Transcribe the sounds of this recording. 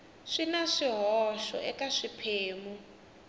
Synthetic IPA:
ʂinaʂiɦɔʃɔ̰ʔɛkaʂipʰeːmu

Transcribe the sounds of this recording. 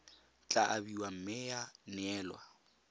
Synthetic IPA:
t͡ɬʼaʔabiwam̩mɪjanɛːlwa̰

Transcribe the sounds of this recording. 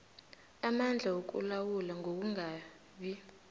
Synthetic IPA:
amand͡ɮʱawok̬ṵlawulaŋɡʱok̬uŋa | ɓi

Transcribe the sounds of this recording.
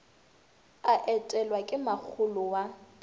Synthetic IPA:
aʔɛtʼɛlwakʼɪmak͡xʰʊlʊwa

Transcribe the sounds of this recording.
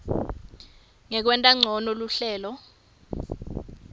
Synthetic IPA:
ŋɛk̬wɛntʼaŋ͡ǀʱɔnoluɬɛːlɔ

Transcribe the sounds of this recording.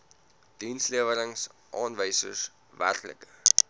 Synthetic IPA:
d̥insliəvəɾəŋsʔɑːnvəjsə̰s | væ̰rklə̰kə

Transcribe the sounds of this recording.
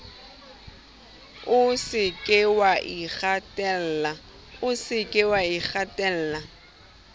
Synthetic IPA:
ʊsɪkʼɪwaʔik͡xatʼɛl̩la | ʊsɪkʼɪwaik͡xatʼɛl̩ːla

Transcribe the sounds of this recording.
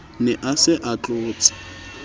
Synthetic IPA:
nɛʔasɪʔat͡ɬʼʊːt͡sʼḁ

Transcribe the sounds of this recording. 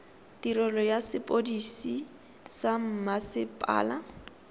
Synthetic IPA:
tiɾɔlɔjasɪpʼodisi | sam̩masɪpʼa̰ːla

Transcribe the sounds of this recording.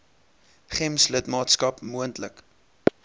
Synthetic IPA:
χɛmslətmɑːtskɐpmuəntlək

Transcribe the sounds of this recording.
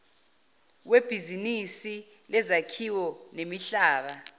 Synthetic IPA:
web̥ʱizinisi | lɛzakʰiwɔnemiɬaːɓa

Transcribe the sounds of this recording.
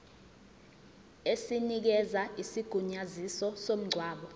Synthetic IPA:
esinik̬ɛzaisiɡ̥ʱuɲazisɔsom̩ŋ͡ǀʱwaːɓɔ

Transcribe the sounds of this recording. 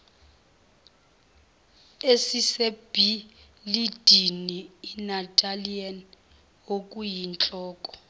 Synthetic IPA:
esiseb̥ʱi | lid̥ʱiniːnatʼalian | okʼujint͡ɬʼɔːkʼɔ̥

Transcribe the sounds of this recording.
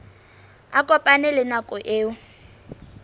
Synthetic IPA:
akʼɔpʼanɪlɪnakʼɔʔeːʊ

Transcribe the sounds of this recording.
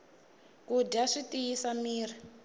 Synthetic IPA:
kuɟaʂitʼijisamiːr̤i

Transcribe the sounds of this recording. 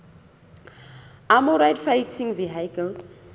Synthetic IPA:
ʔamuɾajdfajtʰĩŋviɦajkʰɛls

